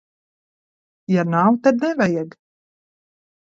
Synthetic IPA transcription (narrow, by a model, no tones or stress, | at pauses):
janawt̪ad̪̚nɛvajɛɡ